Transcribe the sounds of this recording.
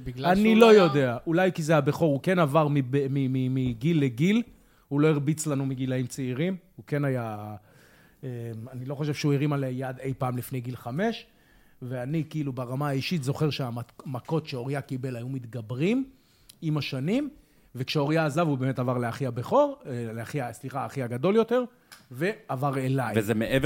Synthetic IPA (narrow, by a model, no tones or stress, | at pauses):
banilo̞jo̞d̪e̞aʔulajkizeajabeχo̞ʁhuke̞navaʁmibemimimiɡilːeɡil | hulo̞eʁbit͡slanumiɡilaimt͡seiʁimhukenaja | emanilo̞χoʃe̞v̥ʃeuiʁimalejad̪e̞jpaːmlifne̞jɡilχame̞ʃ | veanikiilubaʁamaːiʃit̪zo̞χe̞ʁʃeamako̞t̪ʃeo̞ʁijakibe̞lajumit̪ɡabʁim | imaʃanim | vekʃeo̞ʁijaːzavubemetavaʁleaχiabeχo̞ʁleaχiasliχaːχiaɡad̪o̞ljo̞t̪e̞ʁ | ve̞avaʁelajvezemeev